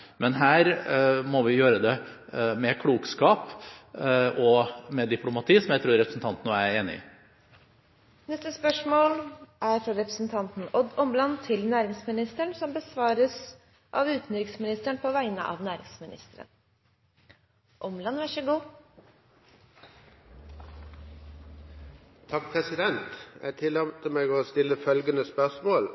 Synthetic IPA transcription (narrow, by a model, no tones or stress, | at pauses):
mɛnɦæːɾmɔʋɪjøːɾəd̪ɛmɛkʰɽuːkskɑːp | ʔɔmɛd̪ɪpʰlʊmɑt̪ʰiːsɔmjæɪt̪ɾuːɾɛpɾəsn̩t̪ʰɑnt̪nəæɾeːnɪ̰ | nɛst̪əspœʂmoːlʔæɾfɾɑɾɛpɾə̥snt̪ʰɑnt̪n̩ɔd̪ɔmlɑnt̪ʰɪlnæːɾɪŋsmɪnɪst̪əɳsɔmbəsʋɑːɾəs | ʔɑ̰ʋʉːt̪n̩d̪ɾɪksmɪnɪst̪əɳpʰɔʋæɪnə̰ʔɑ̰ʋnæːɾɪŋsmɪnɪ̰st̪əɾə̰n | ʔɔmlɑnʋæʂəɡuː | t̪ʰɑkpʰʁɛsɪd̪ɛnt̪jæ̰ɪt̪ʰɪlɛmt̪əmeːɡɔst̪ɪlːəfœlɡənəspœʂmoːl